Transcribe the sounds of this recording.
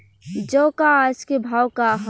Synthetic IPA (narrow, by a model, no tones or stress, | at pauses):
d͡ʒokaaskebʱaːwkaɦ